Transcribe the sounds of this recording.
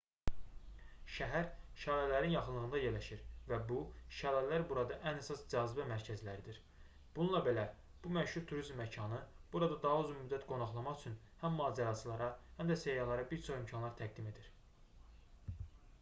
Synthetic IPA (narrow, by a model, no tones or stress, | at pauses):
ʃæɦæɾʃɑːlælæɾinjɑχɯnlˠɯʁɯnd̪ɑje̞ɾlæʃiɾvæbuʃælælæɾbuɾɑd̪ɑʔænæsɑsd͡ʒɑːzibæmæɾcʰæzlæɾid̪iɾ | b̥ununlˠɑbe̞læ | b̥umæʃhuɾt̪ʰuɾizmːæcʰɑnɯb̥uɾɑd̪ɑd̪ɑɦɑyzumyd̪ːæt̪ɡo̞nɑχlˠɑmɑχyt͡ʃʰyn | hæmːɑːd͡ʒæɾɑt͡ʃʰɯlˠɑɾɑhæmd̪æsejɑlˠɑɾɑbiɾt͡ʃʰo̞χimcʰɑnlˠɑɾt̪ʰæɡ̚d̪ime̞d̪iɾ